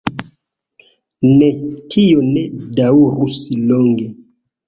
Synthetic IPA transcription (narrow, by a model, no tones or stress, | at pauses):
netʰijonedauɾusilɔŋɡe